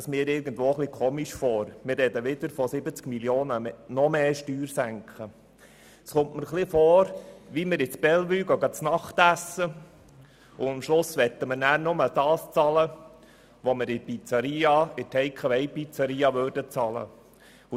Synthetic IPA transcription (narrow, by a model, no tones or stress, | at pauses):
ɑsmɪːɾɪɾɡənd̪ʋoːχlikʰoːmiʃfɔːɾmɪɾʋɛd̪əʋɪd̪əɾfɔsɪbət͡skmiljoːnənɔmeːʃtyːɾsæŋkχə | sχʊmtməɾχlifɔːɾʋiməɾɪt͡sbɛlʋyːɡɑɡɑt͡snɑχt̪æsːə | ʊɑmʃlʊsʋɛt̪ːəməɾnæːɾnʊmədɑːst͡sɑlə | ʋomɪɾɪpit͡sɑɾiːɑɪtʰɛɪkχəʋɛɪpit͡sɑɾiːɑʋøːɾdət͡sɑlə̰ | ʊ